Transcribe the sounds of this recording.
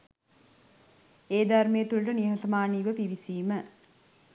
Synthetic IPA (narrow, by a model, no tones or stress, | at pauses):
eːd̪armeːt̪ulʈəniɦɐt̪ɐmaːniːʋəpiʋisiːmə